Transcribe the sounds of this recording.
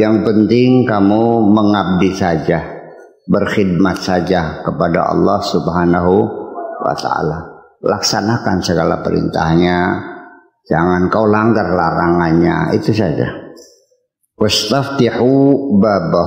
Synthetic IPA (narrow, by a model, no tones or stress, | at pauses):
jaŋpənt̪ɪŋkamuməŋab̚disad͡ʒa | bərxid̚mat̪̚sad͡ʒakəpada̰ʔɑ̰lˠːɑhsubɦanaɦuwa̰t̪a̰a̰la | laksanakansəɡala̰pəɾḭnt̪ahɲa | d͡ʒaŋankaulaŋɡarlaɾaŋanɲa̰ḭt̪usad͡ʒa̰ | wast̪aft̪iħubaba